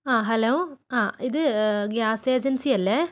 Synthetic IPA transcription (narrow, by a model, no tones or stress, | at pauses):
aːɦɐloːaːʔiðɨɡjaːseːd͡ʒɐnsiɐlːɐ